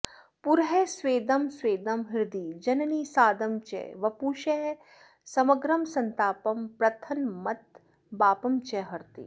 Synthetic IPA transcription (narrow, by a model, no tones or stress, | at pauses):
puɾɦeːsʋeːd̪ɐmsʋeːd̪ɐmɦɪɾd̪iːd͡ʒɐnɐniːsaːd̪ɐmt͡ʃɛ̰ʋɐpuːʃe | sɐmɐɡɾɐmsɐnt̪aːpɐmpɾɐt̪ʰɐnmɐt̪̚ | baːpɐmt͡ʃeɦɐɾt̪ḭː